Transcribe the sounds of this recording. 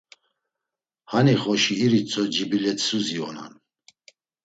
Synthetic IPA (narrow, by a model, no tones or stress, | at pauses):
haniχɔʃiːɾit͡sʼɔd͡ʒibilɛt̪ʰsuziɔ̰na̰n